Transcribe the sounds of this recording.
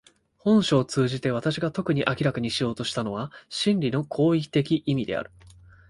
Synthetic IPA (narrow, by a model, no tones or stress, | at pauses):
hõ̞ɰ̃ɕoːt͡sɨːʑit̪e̞β̞at̪aɕiɡat̪o̞kɯ̟ɲ̟iʔakʲiɾakaɲ̟iɕijo̞ːt̪o̞ɕi̥t̪ano̞βaɕĩnɾʲino̞kʰo̞ːikʲi̥t̪e̞kʲiʔimʲid̪e̞̰a̰ɾɯ̟